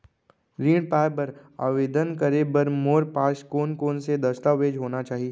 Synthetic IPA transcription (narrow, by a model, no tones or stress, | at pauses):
ɾĩːɽɖpaːɪbəɾa̰ːʋeːd̪ənkəɾebɐɾmoːɾpaːʃkoːnkoːnsed̪ɐst̪aʋeːd͡ʒɦoːnat͡ʃaːɦie